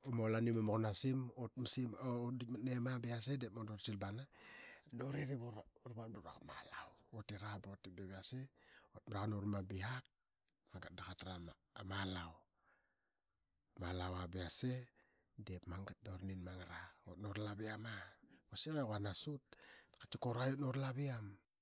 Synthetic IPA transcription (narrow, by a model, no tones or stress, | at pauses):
omolanimamokonasimotmisimdimatnemabiasedepmodoɾsilbananoɾiɾiβoɾuɾbamɾuɾakamalawotiɾabotibaβiaseot̚mɾakanoɾmabiak̚ | maŋɡat̚dakatɾama | malaw | malawabiase | depmaŋɡat̚doɾninmaŋaɾao̰tnoɾlabiamakosikekanasut̚kat͡ʃikoɾajotnoɾlaβiam